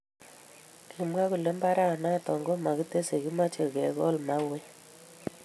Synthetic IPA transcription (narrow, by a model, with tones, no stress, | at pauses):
kʰi˨mwa˦ku˨le˦mba˦ɾa˦˨na˦˨tɔ˨ŋɡo˦ma˨ki˦te˦se˨ki˦ma˦t͡ʃe˨kɛ˨ɣɔ˦lma˦we˦